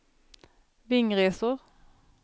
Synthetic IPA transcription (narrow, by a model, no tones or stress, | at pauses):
ʋɪŋʁeːsʊʁ